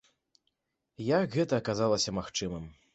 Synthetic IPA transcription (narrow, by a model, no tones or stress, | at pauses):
jakɣɛt̪ɐːkazalˠɐsʲɐmaxt͡ʂɨmɨm